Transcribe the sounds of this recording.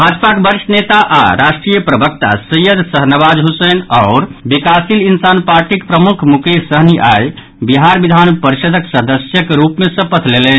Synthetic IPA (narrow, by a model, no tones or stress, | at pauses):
bʱad͡ʒpakebəɾʃnet̪aʔa̰ɾaʃʈɾijəpɾəbək̚t̪a̰səjəd̪ʱsəɦnəbad͡ʒɦusənɔʊɾbikasilinsanpaɾʈikpɾəmukʰmukesəɦniʔaj | biɦaɾbid̪ʱanpəɾiʃəd̪ʱəksəd̪əsjəkɾupmesə̃pət̪ʰlelɛn